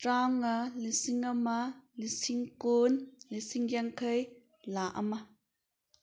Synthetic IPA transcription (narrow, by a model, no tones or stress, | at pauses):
tɾaŋalisiŋamalisiŋkonlisiŋjaŋkʰəj | laʔa̰ma